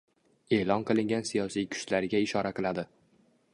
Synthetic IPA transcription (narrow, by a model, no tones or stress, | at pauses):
e̞ːlˠɒnqʰɨlˠɪŋɡʲansijɒsijkʲʰʊ̥ʃlaɾɪɡʲaɪʃɒɾaqɨlˠad̪ɪ